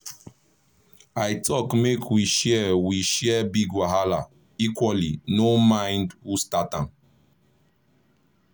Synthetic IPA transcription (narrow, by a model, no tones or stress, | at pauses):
aɪtʰɔkmekʰwiʃɛwiʃɛbiɡwaɦala | ikwɔlinomãɪ̃ndhustatãn